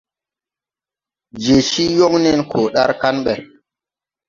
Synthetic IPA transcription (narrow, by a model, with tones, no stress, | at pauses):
d͡ʒe˨ʃi˦jo˦ŋnɛ˦nkʰo˨ɗa˦ɾka˦nɓɛ˨